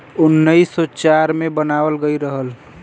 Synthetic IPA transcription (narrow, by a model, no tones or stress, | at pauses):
ʊnːəisot͡ʃaɾmẽbənaːʋəlɡəiɾəɦəl